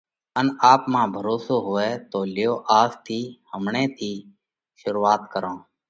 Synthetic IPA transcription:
ənaːpmãːbʱəɾoːsoːɦʊːeːt̪oːlɪjoːʔaːst̪ʰiːhəmɳẽːt̪ʰiː | ʃʊɾuːaːt̪kəɾõː

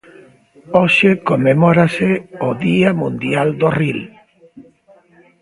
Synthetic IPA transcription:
oʃekomemɔɾaseoðiamũnd̪jald̪oril

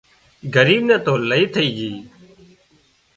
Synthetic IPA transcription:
ɡəɾiːbnɛ̃ːt̪oːləiːt̪ʰəiːd͡ʒiː

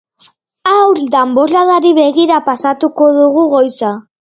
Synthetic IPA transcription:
awld̪ambo̞laðaɾiβe̞ɣiɾapasat̪uko̞ðuɣ̞uɣo̞jsa

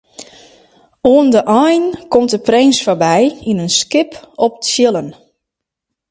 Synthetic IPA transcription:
oəndəʔɔjnkɔmt̚əprejnsfɔbɛjinənskɪpɔp̚tsjɪlˠən

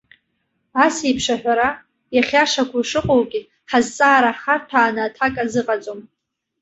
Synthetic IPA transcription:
asipʰʂaħʷᶣaɾa | jaχʲaʂakʷʰuʂɨqʼowɡʲʼi | ħazt͡sʼaːɾaχatʰaːnɨːtʰakʼazɨqʼat͡sʼom

